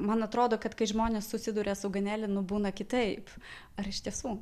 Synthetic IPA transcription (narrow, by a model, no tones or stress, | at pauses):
mɐnɐt̪ɾoːd̪oːkɐt̪kɐɪʒmoːnʲeːssʊsʲɪd̪ʊːɾʲeːsʊɡɐnʲæːlʲɪnʊbuːnɐkʲɪt̪ɐɪp | ɐɾɪʃt̪ʲiɛsuː